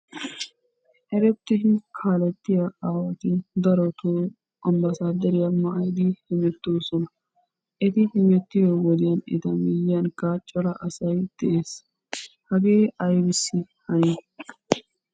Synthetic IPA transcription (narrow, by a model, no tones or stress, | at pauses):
hɛɾɛt̪ːɪdɪkʰaːlɛt̪ːɪjɐaːwɐt̪ɪd̪ɐɾɔt̪ʰoː | ʔɐmbɐsaːd̪ɐɾɪjɐmɐʔɐjd̪ɪhɪmɛt̪ːoːsɔnɐ | ʔɛt̪ɪhɪmɛt̪ːɪjɔwɔd̪ɪjɐnɪ̰t̪ɐmɪjjɐnkɐt͡ʃʼɔɾɐʔɐsɐjd̪̥ɛʔeːs | hɐɡeːʔɐjbɪsːɪ | hɐni